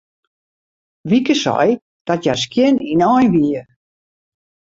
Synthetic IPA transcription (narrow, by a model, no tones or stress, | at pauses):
ʋikəsɔ̰j | d̥ɔtjɛskjɪninɔjnʋiə